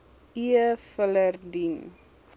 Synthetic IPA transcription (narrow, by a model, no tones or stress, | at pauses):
ʔiəfələrdin